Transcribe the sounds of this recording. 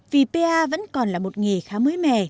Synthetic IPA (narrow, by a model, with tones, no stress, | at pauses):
vi˨˩pe˧ʔaː˧və̰˧˥nkɔ˨˩nlaː˨˩mo˨˩t̚ŋe˨˩xaː˨˦məː˨˦jmɛ̰˧˨